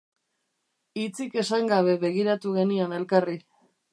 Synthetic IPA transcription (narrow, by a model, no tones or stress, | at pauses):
it͡sike̞saŋɡaβ̞e̞βe̞ɣ̞iɾat̪uɣe̞niane̞lkari